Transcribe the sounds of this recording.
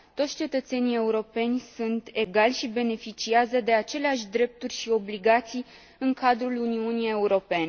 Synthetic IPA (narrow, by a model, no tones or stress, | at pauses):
t̪o̞t̪sʲt͡ʃe̞t̪ət̪se̞nie̞uɾo̞pe̞nʲsunt̪e̞ɡalʲʃibe̞ne̞fit͡ʃiazəd̪e̞at͡ʃe̞leaʃʲd̪ɾe̞p̚t̪urʲʃio̞bliɡat̪sij | ɨŋkad̪ɾuluniunije̞uɾo̞pe̞ne